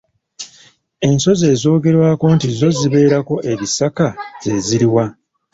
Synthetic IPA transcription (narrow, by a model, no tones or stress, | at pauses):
e̞nso̞ze̞ːzo̞ːɡe̞ɾwaːko̞ntizo̞ziβe̞ːɾako̞ʔe̞βisakaz̥e̞ziɾiwa